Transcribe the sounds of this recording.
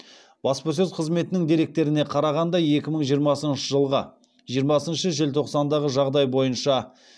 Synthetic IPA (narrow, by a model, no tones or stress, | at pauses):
b̥ɑspəs̬ɵzqʰəzme̞t̪ɪnɪŋd̪e̞ɾe̞k̚t̪e̞ɾɪne̞qʰɑɾɑʁɑnd̪ɑje̞kʲɪməɴʒijəɾmɑsənʃəʒəlˠʁə | ʒijəɾmɑsənʃəʒe̞lt̪ʰo̞qsɑnd̪ɑʁəʒɑʁd̪ɑjbo̞jənʃɑ